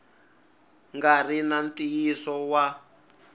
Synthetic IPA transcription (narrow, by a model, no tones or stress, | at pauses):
ŋɡarinant̪ijisɔwa